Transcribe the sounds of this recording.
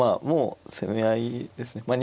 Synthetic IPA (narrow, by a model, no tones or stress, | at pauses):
amoːsemeaid̪e̞sɨne̞maɲʲi